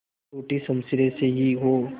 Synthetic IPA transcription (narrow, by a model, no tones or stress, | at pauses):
oːʈisəmsɪɾẽseɦiɦo